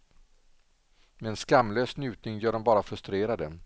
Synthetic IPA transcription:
mɛɛnskamːløːsnjʉ̟ːt̪nɪŋjœːɖɔmbɑːɾafɾɵst̪ɾeːɾad̪ə

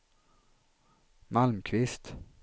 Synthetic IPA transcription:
malmkʰvɪst̪

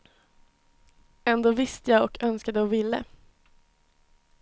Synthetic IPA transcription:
ɛnd̪oːvɪst̪əjaːɡɔkʰœnskad̪əɔvɪlːə̰

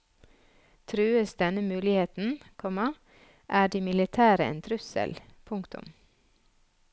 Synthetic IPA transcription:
t̪ʰɾʉːəsd̪ɛnəmʉːlɪheːt̪n̩kʰɔmɑ | ʔæːɖiːmɪlɪt̪ʰæːɾəɪ̰nt̪ʰɾʉsə̰lpʰʊŋkt̪ʊ̰m

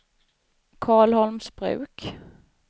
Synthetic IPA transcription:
kʰɑːɭhɔlmsbɾʉ̟̰ːk

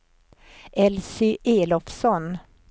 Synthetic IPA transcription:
ɛlsɪʔeːlɔfsɔn

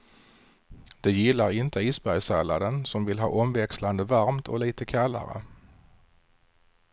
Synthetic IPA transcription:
d̪̥ɛjɪlːaɾɪnt̪əiːsbæɾjsæla̰d̪ənsɔmvɪlɦɑ̰ːʔɔmvɛksland̪əvaɾmt̪ʰɔ̰liːt̪əkʰalːa̰ɾə̰

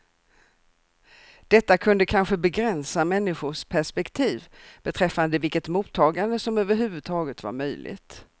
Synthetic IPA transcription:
d̪̥ɛt̪ːakʰɵnd̪əkʰanɧəbɛɡɾɛnsamɛnːɪɧʊʂpʰæʂpɛkt̪ʰiːvb̥ɛt̪ʰɾɛfːand̪əvɪlkət̪muːt̪ʰːɑːɡand̪əsɔmøːvəɾɦʉ̟ːvɵd̪̚t̪ʰɑːɡət̪va̰ɾmœjlʔɪ̰ɡt̪

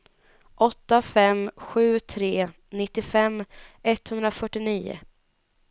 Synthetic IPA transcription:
ʔɔt̪ːafɛmɧʉ̟ːt̪ʰɾeː | nɪt̪ːɪfɛmːʔɛt̪ːhɵnd̪ɾafœʈːɪniːʊ̰

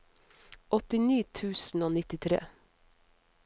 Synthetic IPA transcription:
ʔɔt̪ɪniːt̪ʰʉːsn̩oːnɪt̪ɪt̪ʰɾḛː

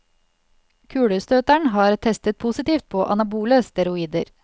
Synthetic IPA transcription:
kʰʉːɽʉst̪øːt̪æɳɦɑːɾt̪ʰɛst̪ət̪̚pʰusɪt̪iːft̪̚pʰoːʔɑ̰nɑbuːləst̪ʰɛɾʊiːd̪ə̰ɾ

